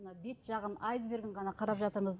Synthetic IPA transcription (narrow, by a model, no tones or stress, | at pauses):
nəbe̞t̪ʒ̥ɑʁənɑjzbe̞ɾɡʲɪɴʁɑnɑqʰɑɾɑpʒɑt̪əɾɴəzd̪